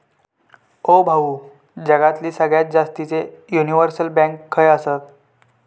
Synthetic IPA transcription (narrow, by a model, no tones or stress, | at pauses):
obʱaʋu | d͡ʑəɡat̪liːsəɡɭjat̪̚d͡zast̪it͡sejuniʋəɾsəlbãŋkʰːəjəsət̪